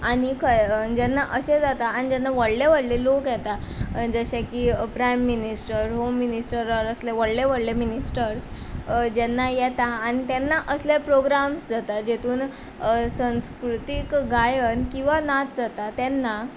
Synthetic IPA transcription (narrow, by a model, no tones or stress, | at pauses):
añikʰəd͡ʑɛnːaʔəɕed͡zat̪aːñid͡ʑɛnːaʋəɽleʋəɽlelokjɛt̪a | d͡zəɕekiːpɾajmːinisʈəɾɦomːinisʈəɾəɾəsleʋəɽleʋəɽleminisʈəɾs | d͡ʑɛnːajɛt̪aːñit̪ɛnːaʔəslapɾoɡɾamsd͡zat̪ad͡ʑet̪ʰuːn | sə̃nskɾut̪ikɡajənkĩw̃ʋanat̪d͡zat̪at̪ɛnːa